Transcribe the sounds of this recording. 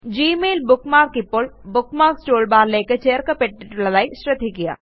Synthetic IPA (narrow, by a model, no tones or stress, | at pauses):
d͡ʒiːmeːlbʊkmaːɾkɪpːʊlbʊkmaːɾksʈoːlbaːɾleːket͡ʃeːəɾkapeʈːɪʈlɐlaːiʃɾɪt̪ʰikɪja̰ː